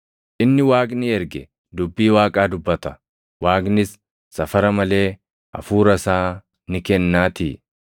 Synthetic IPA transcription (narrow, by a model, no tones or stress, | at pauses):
ʔɪnːɪwaːkʼnɪɛɾɡɛ | d̪ʊbːiːwaːkʼaːd̪ʊbːɐt̪ɐ̥ | waːkʼnɪsː | ɐfɐɾɐmɐle̞ː | ʔɐ̰fuːɾɐsaː | nɪkɛnːaːt̪iː